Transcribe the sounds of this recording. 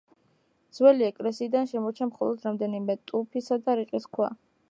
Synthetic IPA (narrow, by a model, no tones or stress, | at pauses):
d̪z̥wɛliɛkʼlɛsiːd̪anʃɛmɔt͡ʃʰamχɔlˠɔd̪ɾamd̪ɛnimɛt̪ʼupʰisad̪aɾiqʼiskʰwa̰